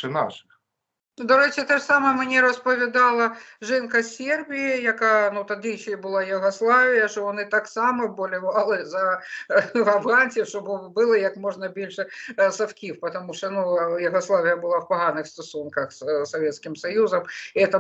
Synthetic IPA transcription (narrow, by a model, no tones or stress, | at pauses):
ɨnaʂɨx | d̪ɐɾɛt͡ɕʲɪt̪aʂsamɐmnʲɛɾɐspɐvʲɪd̪alˠɐʐɛnkɐsʲerbʲijɪjɐkanut̪ɐd̪ɨjɕejbɨlˠajuɣɐslˠavʲɪjɐʂt̪ɔvɐnɨt̪aksamɐbɐlʲɪvalˠɨzɐ | vɐvɣanʲt̪ʲɪfʂt̪ɔbɨbɨlˠɨjɐkmɔʐnɐbʲilʲʂɨsɐfkʲifpɐt̪ɐmuʂt̪ɔnujuɣɐslˠavʲɪjɐbɨlˠawpɐɣanɨxst̪ɐsunkɐxssɐvʲɛt̪skʲimsɐjuzɐmɛt̪ɐ